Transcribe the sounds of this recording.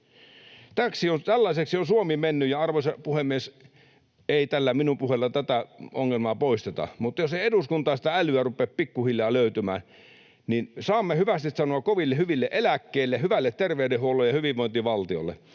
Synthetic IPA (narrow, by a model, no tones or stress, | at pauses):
t̪æksiont̪ælːɑiseksionsuomiːmenːyjjɑɑrʋosɑpuhemːˑies | eit̪ælːæminumpuhelːɑt̪æt̪æo̰ŋːelmɑːpoist̪et̪ɑ̰mut̪joseieduskunt̪ɑːsit̪æælyærupːˑeppikːuhiljɑːløyt̪ymæ̰ː | ninsɑːmːehyʋæst̪it̪sɑnoɑkkoʋilːehyʋilːeʔelækːeːlːehyʋælːet̪t̪erʋeydehuolːˑojɑhyʋiʋʋoˑint̪iʋɑlt̪io̰lːḛ